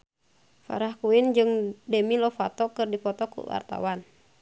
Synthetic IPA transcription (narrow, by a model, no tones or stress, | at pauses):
fa̰ɾahkuind͡ʒɨŋdɛmilɔfat̪ɔkɨrdifɔt̪ɔkṵwa̰rt̪a̰wan